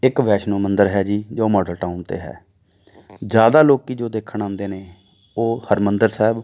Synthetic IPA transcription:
ɪkʋɛːʃnõːmənd̪əɾɦɛːd͡ʒiːd͡ʒoːmɔːɖəlʈaːunt̪ḛːɦɛ̰ː | d͡ʒjaːd̪aːloːkiːd͡ʒoːd̪eːkʰːəɳ̃ãːnd̪eːneː | oːhəɾmənd̪əɾsɛːb

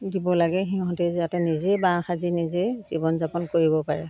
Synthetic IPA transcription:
dibɔlaɡɛɦiɦɔ̃tɛziatɛnizɛbãxazinizɛz̥ibɔnzapɔnkoɹibɔpaɹɛ

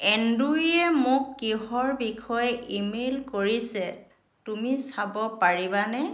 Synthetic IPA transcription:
ɛnduɹiɛmʊkːiɦɔɹbikʰɔjɛimelkoɹisɛ | tumisabɔpaɹibanɛ

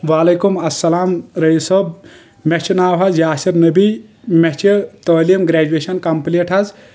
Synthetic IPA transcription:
ʋaːlɐkumɐsːɐlaːmɾɐisɐb | met͡ʃʰinaːwazjaːsiɾnɐbimet͡ʃʰit̪əːlimɡɾeːd͡ʒueʃɐnkɐmpleʈʰɐz

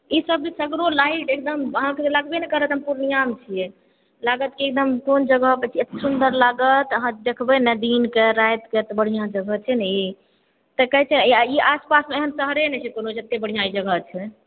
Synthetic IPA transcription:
isəb̚d͡ʒesəɡɾolaiʈek̚d̪əməɦãkelaɡbenɛkəɾət̪ɦəmpuɾnijamt͡ʃʰije | laɡət̪kiek̚d̪əmkond͡ʒəɡəɦpət͡ʃʰiet̪sund̪əɾlaɡət̪əɦãd̪ekʰbɛnəd̪inkeɾajt̪ket̪ɔbəɽ̤ijãd͡ʒəɡət͡ʃʰɛnɛ | t̪əkəɦt͡ʃʰɛiaspasmeeɦənsəɦɾenɛt͡ʃʰɛkonod͡ʒət̪ːebəɽ̤ijãid͡ʒəɡət͡ʃʰɛ

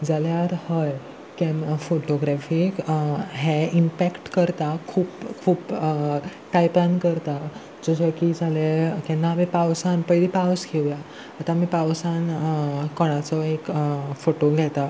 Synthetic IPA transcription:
d͡zaljaɾhəj | kɛ̃foʈoɡɾɛfikɦeimpækʈkəɾt̪akʰuːpkʰuːp | ʈajpankəɾt̪a | d͡zɔsɔjkid͡zʱalekɛ̃namipawsanpəjlipawskʰeʋjaː | t̪amipawsankɔɽ̃at͡sɔekfoʈoɡʱɛt̪a

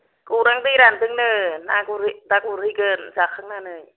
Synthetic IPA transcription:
kuɾaŋt̪iɾant̪ɯŋnɯnakuɾdakuɾɯkɯnzakʰːaŋnanɯj

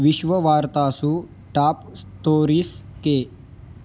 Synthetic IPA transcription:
ʋiɕʋəʋaːɾt̪aːsuː | ʈaːp | st̪oːɾiːske

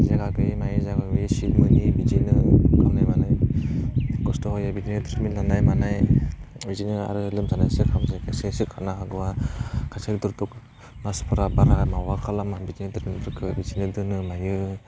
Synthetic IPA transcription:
zaɡaɡɯjmajɯzaɡaɡisitmɯnibizinɯkamnajmanaj | kɔstɔhɔjabizinɯdɯɾminlanajmanajbizinɯa̰ɾɯlɯmsanajsɯkʰamzekʰasasɯkʰanaɦaɡɯwakʰasaduɾtɔk | naspʰɯɾabaɾaɡajmawakʰalamabizinɯdɯɾmindɯɾkʰɯbizinɯdɯnɯmajɯ

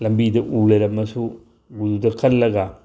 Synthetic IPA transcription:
lɐmbidɐʔulɐɾɐmɐsu | ɡududɐkʰɐlːɐɡa

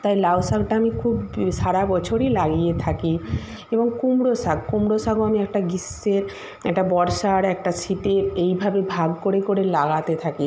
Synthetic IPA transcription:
t̪ajlawsakʈaamikʰubʃaɽabɔt͡ɕʰoɾilaɡijet̪ʰaki | eboŋkumɽosaɡkumɽosaɡoamiɛk̚ʈaɡisːeɾ | ɛk̚ʈabɔɾʃaɾɛk̚ʈasiʈeejbʱabebʱaɡkoɾekoɾelaɡat̪et̪ʰaki

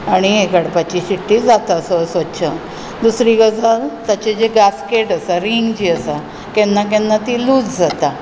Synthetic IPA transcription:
aɽ̃iekaɽpat͡ɕiɕiʈːiːd͡zat̪asəsətːɕʰə | d̪usɾikəd͡zʱalt̪jat͡ɕed͡ʑeɡaskeʈəsaɾiŋɡd͡ʑiːəsa | kɛnːakɛ̃nːat̪iːluːd͡zd͡zat̪a

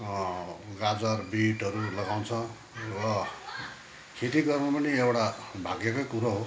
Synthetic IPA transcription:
ɡad͡zʌrbiʈɦʌɾulʌɡaw̃t͡sʰʌ | rʌ | kʰet̪iɡʌrnapʌniewɽabʱaɡekokuɾaɦo

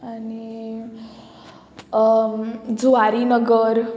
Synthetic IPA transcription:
ani | d͡zuaɾinəɡəɾ

